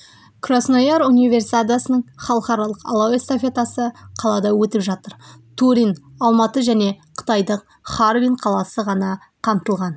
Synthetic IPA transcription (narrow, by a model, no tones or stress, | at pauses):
kʰrosnojɑɾunijvʲe̞rsi̥t̪ad̪asənəɴχɑlˠəqɑɾɑlˠəqɑ̰lˠawest̪ofʲe̞t̪asəqʰɑlˠɑd̪ɑwɵt̪ɪpʒɑt̪əɾt̪ʰuɾʲinɑlˠmɑt̪əʒæne̞qʰə̥t̪ɑjd̪əq̚ | χaɾviɴqʰɑlˠɑsəʁɑnɑ | qʰɑmt̪əlˠʁɑn